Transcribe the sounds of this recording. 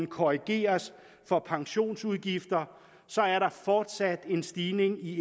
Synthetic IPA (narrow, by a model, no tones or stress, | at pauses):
n̩kʰoʁiɡ̥e̝̰ːɐs | fɒ̽pʰɑ̈ŋɕo̝̰ːnsuð̞ˠɡ̥ifd̥ɐ | sɒ̽æɐɾɑ̈fɒːd̥sæd̥e̝nsd̥iːne̝ŋi